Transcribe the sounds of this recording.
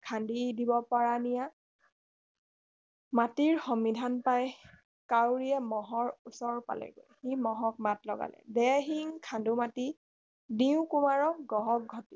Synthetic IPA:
kʰandidibɔpaɹanija | matiɹxɔmidʱanpaj | kawɹiɛmɔɦɔɹusɔɹpa̰lɛ̰ɡo̰jximɔɦɔk̚matlɔɡa̰lɛ̰dɛɦiŋkʰandumati | diʊ̃kumaɹɔɡɔɦɔk̚ɡʱɔti̥

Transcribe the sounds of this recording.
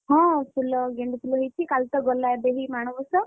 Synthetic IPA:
ɦɔ̃sulɔɡeɳɖut̪ʰulɔɦojt͡ʃʰikalt̪ɔɡɔlaebeɦimaɽ̃ɔbɔsɔ

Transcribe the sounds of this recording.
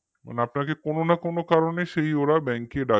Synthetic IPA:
ma̰neapnakekononakonokaɾoneʃeioɾabɛ̃ŋkeɖa

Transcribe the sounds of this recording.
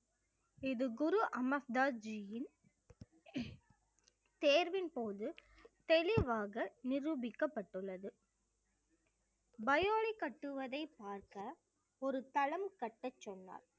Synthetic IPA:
ɪðɯɡʊɾuʔɐmɐsd̪aːd͡ʒijɪn | t̪eːɾʋɪnpoːðɯ | t̪ɛlɪʋaːɣɐnɪɾubɪkːɐpːɐʈːɯɭːɐðɯ | bɐjoːɭikɐʈːɯʋɐðɐɪpːaːɾkɐ | ɔɾɯt̪ɐɭɐmkɐʈːɐt͡ʃːɔnːa̰ːɾ

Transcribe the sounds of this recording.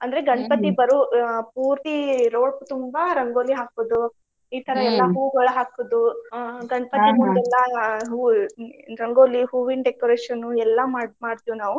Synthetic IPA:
ɐnd̪ɐɾeɡɐɳɐpɐt̪ibɐɾupuːɾt̪iɾo̞ːɭput̪umbɐɾɐŋɡoːliɦaːkod̪u | iːt̪ʰɐɾɐɛlːɐɦuːɡɐɭuɦaːkud̪uɡɐɳpɐt̪imund̪ɛlːɐɦuː | ɾɐŋɡo̞ːliɦuːʋiɳɖekoɾeːʂɐnːuɛlːɐmaːmaːɖt̪iʋinaːʋu

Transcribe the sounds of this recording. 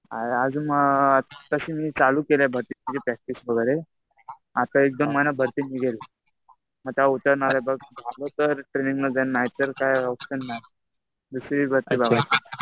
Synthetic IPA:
aad͡zuːmət̪əɕimiːt͡saluːkelabʱəɾt̪iːid͡ʑepɾɛk̚ʈisbəɡəjɾe | at̪aek̚d̪omːənabʱəɾt̪iːniɡele | məɡ̚t̪aut̪əɾnalabəɡ̚d͡zʱalot̪əɾʈɾeniŋɡləd͡zanːaɦjt̪əɾkajɔpɕənːaɦj | d̪usɾiːbʱəɾt̪iːbaɡat̪

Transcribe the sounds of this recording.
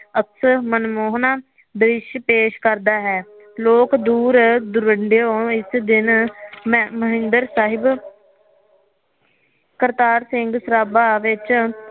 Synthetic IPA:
əksmənmoːɦnaː | b̪ɾɪʃpeːʃkəɾd̪aːɦɛː | loːkd̪uːɾd̪ʊɾəɳɖeoɪsd̪ɪn | məɦɪ̃nd̪əɾsaːɦɪb | kəɾt̪aːɾsɪ̃ŋɡsəɾaːbaːʋɪt͡ʃ

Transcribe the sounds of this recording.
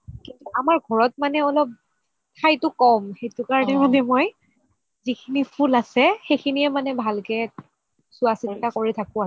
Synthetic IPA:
kintuamaɹɡʱɔɹɔt̚manɛɔlɔp̚ | tʰajtʊkɔmxejtʊkaɹɔnɛmanɛmɔj | zikʰinipʰulasɛxejkʰiniɛmanɛbʱalkɛ | sʊasintakoɹitʰakʊ̃a

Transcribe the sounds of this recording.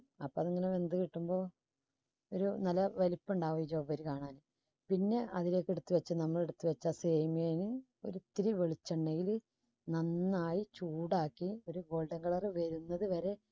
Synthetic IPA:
ɐpːoɐðeŋːɐneʋe̞nd̪ukiʈːumbo̞ː | oɾunɐlːɐʋɐlipːuɳɖaːʋɐjit͡ɕːɐmːpːɐɐɾukaːɳaːnɨ | pinːe̞ʔɐðile̞ːkːeɽut̪ːɨʋɐt͡ɕːɨnɐmːɐɭe̞ɽut̪ːuʋɐt͡ɕːaseːmijeːnɨ | o̞̰ɾut̪ːiɾiʋeɭit͡ɕːɐɳɖeŋɡil | nɐnːaːjit͡ɕuːɽaːkːio̞ɾuɡo̞ːlɖɐŋɡɐɭɐrɨʋɐɾunːɐðɨʋɐɾe̞

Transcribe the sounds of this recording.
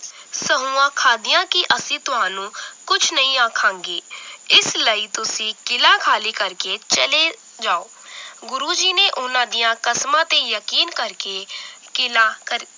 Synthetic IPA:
səɦũːãːkʰaːd̪ijãːkiʔəsĩːt̪ʊɦãːnũːkʊt͡ʃʰnəĩaːkʰãːŋɡeːɪsləiːt̪ʊsĩkɪlãːkʰaːliːkəɾket͡ʃəle | d͡ʒaːoː | ɡʊɾuːd͡ʒiːneːʔʊnãːd̪ijãːkəsmãːt̪ejəkiːnkəɾke | kɪlaːkəɾ

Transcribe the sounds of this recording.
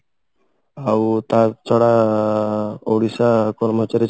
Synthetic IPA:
awt̪at͡sʰɔɽa | oɽisakɔɾmot͡ɕaɾi

